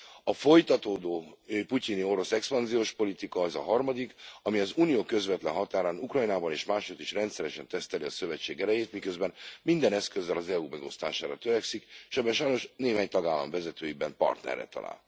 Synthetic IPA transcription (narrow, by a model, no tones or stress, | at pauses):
ɒfo̞jt̪ɒt̪oːd̪oːpucinio̞ɾo̞sɛkspɒnzijoːʃpo̞lit̪ikɒɛzɒ̰ɦɒrmɒd̪ikɒmiɒzuːnijoːkø̞zvɛt̪lɛ̰nɦɒt̪aːɾaːnukrɒjnaːbɒneːʃmaːʃot̪ːiʃrɛnt̪sɛɾɛʃɛnt̪ɛst̪ɛliɒsø̞vɛt͡ʃːeːɡɛɾɛjeːt̪mikøzbɛnmind̪ɛnɛskø̞zːɛlɒzɛumɛɡo̞st̪aːʃaːɾɒt̪øɾɛksikʃɛbɛnʃɒjno̞ʃneːɦaːɲt̪ɒɡaːlːɒ̰mvɛzɛt̪øːjibɛmpɒ̰rt̪nɛ̰rːɛ̰t̪ɒ̰la̰ːl